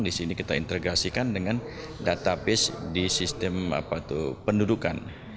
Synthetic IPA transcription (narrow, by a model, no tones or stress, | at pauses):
ŋdisinikit̪aḭnt̪əɡasikandəŋan | dat̪apɪsdisist̪ɛma̰pat̪upənduduka̰n